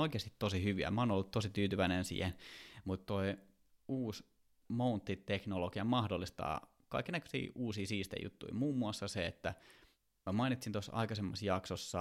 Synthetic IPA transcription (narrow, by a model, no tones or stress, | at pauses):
oikeːst̪i̥t̪tosihyʋiæ̰mæoːnolːut̪tosit̪yːt̪yʋæinensḭːhenmut̪t̪oi | uːs | mount̪ːit̪eknolokiɑmɑhdolːist̪ɑ̰ː | kɑikːenækø̥sḭːʔuːsiːsiːst̪ḛjṵt̪ːṵimuːmːuɑsːɑseet̪ːæ | mæmɑinit̪sint̪osːɑ̰ikɑsemːɑsjɑksosːɑ